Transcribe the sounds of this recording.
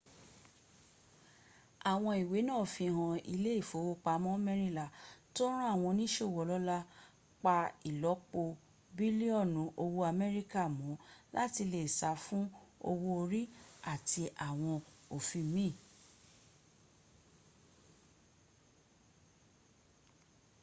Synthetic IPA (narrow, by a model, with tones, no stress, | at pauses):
a˨w̃ɔ̃˧i˨we˨˦nãː˦˨fĩ˧˨ɦɔ̃˧i˧le˦i˦˨fo˨˦wo˧˦k͡pa˧˦mɔ̃˦mɛ˦ɾi˦la˨to˦ɾ̃ã˦a˦˨w̃ɔ̃˧nĩ˦ʃe˦˨wɔ˨lɔ˦la˦ | k͡pa˧i˨lɔ˨˦k͡po˧ | bi˦li˦ɔ˦˨nũ˨˦ʔo˧wo˧a˧mɛ˦ɾi˦ka˦˨mũ˨˦lʔa˦ti˧le˨sa˨˧fũ˦o̰˧wo˧o˧ɾi˦a˦˨ti˧ʔa˨w̃ɔ̃˧o˨fĩ˧˨˦mĩ˦˨